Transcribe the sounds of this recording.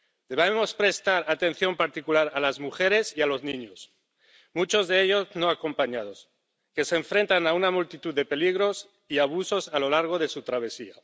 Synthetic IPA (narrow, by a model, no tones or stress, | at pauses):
d̪e̞βemo̞spɾe̞st̪aɾat̪ẽ̞n̟θjo̞mpaɾt̪ikulaɾalazmuxeɾe̞sialo̞zniɲos | mut͡ʃo̞zðeeʎo̞znoako̞mpaɲað̞o̞s | keseːɱfɾe̞nt̪anaunamult̪it̪uððepe̞liɣ̞ɾos | iaβ̞uso̞salo̞laɾɣ̞o̞ðe̞sut̪ɾaβ̞esia